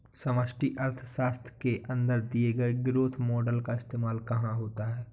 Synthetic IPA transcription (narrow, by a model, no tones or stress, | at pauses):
sɐʋəʃʈiʔɐɾt̪ʰʃaːst̪ʰkeʔɐ̃nd̪əɾd̪ieɡɐeɡɪɾoːt̪ʰmɔːɖəlkaɪst̪eːmaːlkɐɦãɦoːt̪aɦɛː